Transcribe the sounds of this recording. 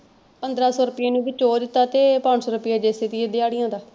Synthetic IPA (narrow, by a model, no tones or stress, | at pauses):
pənd̪ɾaːsɔːɾʊpɪjaːnũːbɪt͡ʃoːd̪ɪt̪ːaːt̪eːpaɳsɔːɾʊpɪjaːd͡ʒeːset̪iːed̪ɪaːɽɪjãːd̪aː